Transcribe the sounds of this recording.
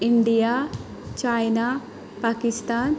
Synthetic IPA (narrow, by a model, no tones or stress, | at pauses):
iɳɖija | t͡ʃajna | paːkist̪aːn